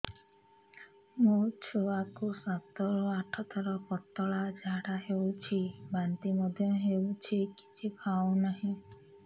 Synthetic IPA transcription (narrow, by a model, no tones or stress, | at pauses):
mut͡ʃʰoakusat̪ɔɾɔaʈʰɔt̪ɔɾɔkɔt̪ːɔɭad͡ʒaɽaɦewt͡ʃʰibant̪imɔd̪ʱjɔɦewt͡ʃʰiki̥t͡ʃʰipʰawnaɦĩ